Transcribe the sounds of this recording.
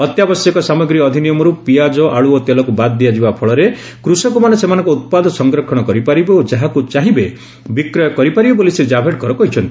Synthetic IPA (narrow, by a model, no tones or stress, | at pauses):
ɔt̪jabɔsjɔkɔsamɔɡɾiɔd̪ʱinijɔmɔɾupijad͡ʒɔʔaɭuot̪elɔkubad̪ːijad͡ʒibapʰɔɭɔɾe | kɾusɔkumanesemanɔ̃ŋkuut̪̚pad̪ʱɔsɔŋɡɾɔkʰɔɽ̃ɔkɔɾipaɾibeod͡ʒaɦakut͡ʃaɦibe | bikɾɔjɔkɔɾipaɾibebolised͡ʒabʱeʈ̚kɔɾɔkɔɦit͡ʃʰɔnt̪i